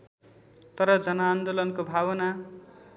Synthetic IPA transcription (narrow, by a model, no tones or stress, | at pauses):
t̪ʌɾʌd͡zʌnʌːnd̪olʌnkobʱaβʌna